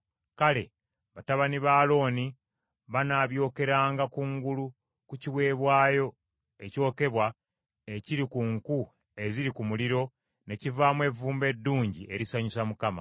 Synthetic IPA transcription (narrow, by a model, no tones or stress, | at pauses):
kale̞ | βataβaniβaːlo̞ːni | βanaːβjo̞ːke̞ɾaːŋɡakuŋɡulu | kuciwe̞ːβwaːjo̞ | e̞co̞ːke̞βwa | eciɾikuŋku | e̞ziɾikumuliɾo̞ | ne̞civaːmwe̞vuːmbe̞dːuːɲɟiʔe̞ɾisaɲusamukama̰